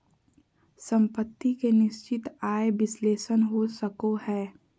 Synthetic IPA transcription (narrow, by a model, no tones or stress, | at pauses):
sə̃mpət̪ːikenɪʃt͡ʃɪt̪aːeʋɪsleːʃənɦosəkohɛː